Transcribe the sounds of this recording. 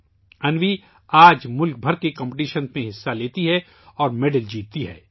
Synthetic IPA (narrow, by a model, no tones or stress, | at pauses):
ɐnʋi | aːd͡ʒmʊlk̚bʱɐɾkekɐ̃mpʈiːʃənsmẽɦɪsːaleːt̪iɦɛ | ɔːɾmeɖəld͡ʒiːt̪ːiɦɛ̰ː